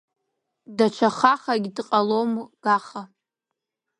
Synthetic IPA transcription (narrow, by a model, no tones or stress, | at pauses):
dat͡ʃʷʰaχaχaɡʲdqʼalomɡ̥aχa